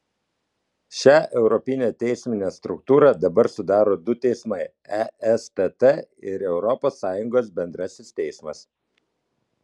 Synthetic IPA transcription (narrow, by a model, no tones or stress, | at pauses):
ʃʲæːʔɛʊɾɔpʲɪnʲeːt̪ʲɛɪsʲmʲɪnʲeːst̪ɾʊkt̪uːɾɐd̪ɐbɐɾsʊd̪ɑːɾoːd̪ʊt̪ʲɛɪsmɐɪ | ɛɛst̪ɛt̪ɛɪɾɛʊɾɔpoːsːɑːjʊŋɡoːsbʲɛnd̪ɾɐsʲɪst̪ʲɛɪsmɐs